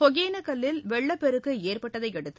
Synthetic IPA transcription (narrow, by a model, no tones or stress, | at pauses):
ɔɣeːnɐkɐlːɪlʋɛɭːɐpːɛɾɯkːɯeːrpɐʈːɐðɐɪkɛɽɯt̪ːɯ